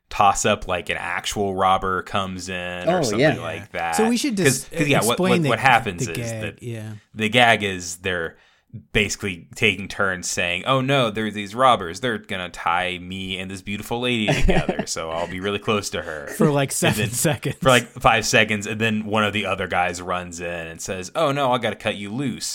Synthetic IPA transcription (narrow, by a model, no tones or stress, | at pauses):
tʰɔsʌpʰlaɪkɨ̃næ̰k̚t͡ʃul̩ˠɹɑbə˞kʰʌ̃mzɪ̃noə˞sʌ̃æθɪ̃ŋla̰ɪk̚ðæ̰tsoʊwiʃɨddkʌzkʰʌzjæwʌt̚plẽʌ̃nwʌt̚ɦæpɨ̃nzɪzðɨt̪̚jæðɨɡæɡɪzðə˞ | b̥eɪsɨ̥klitʰeɪkɪ̃ŋtʰɜ̃˞nz̥seɪɪ̃ŋʔoʊnoʊðə˞zðizɹɑbə˞zðə˞ɡ̥ʌnɨtʰa̰ɪmiɨ̃nðɪsb̥jʉɾəfl̩ˠleɪɾiɾɾɨɡɛðə̰˞soʊaɪlˠbiɹɪlˠikʰl̥oʊstɨə̰˞fə˞laɪksɨ̃nðɨ̃nɛkɨ̃nfə˞laɪkfaɪv̥sɛkɨ̃ndzɨ̃nðɨ̃nwʌ̃ñʌvðiʌðə˞ɡaɪzɹʌ̃nzɪ̃nɨ̃nsɛzoʊnoʊaɪɡɑɾɨkʰʌt͡ʃɨlʉs